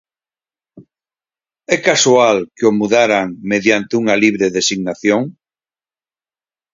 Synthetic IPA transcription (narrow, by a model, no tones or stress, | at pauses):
ɛkasualkeomuðaɾaŋmeðjant̪euŋaliβ̞ɾeðesiɣnaθjoŋ